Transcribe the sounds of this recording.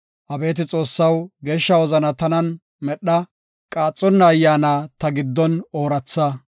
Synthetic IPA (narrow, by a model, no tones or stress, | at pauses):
ʔɐbe̞ːt̪ɪt͡sʼo̞ːsːɐwɡe̞ːʃːɐwɔzɐnɐt̪ɐnɐn | mɛɗːɐ | kʼaːt͡sʼːɔnːɐːjːaːnaːt̪ɐɡɪd̪ːɔno̞ːɾɐt͡sːɐ